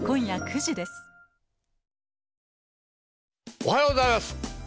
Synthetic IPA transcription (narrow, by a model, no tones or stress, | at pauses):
kõ̞ɰ̃jakʰɯ̟ʑid̪e̞sɨ̥ | ohajoːozaimasɨ̥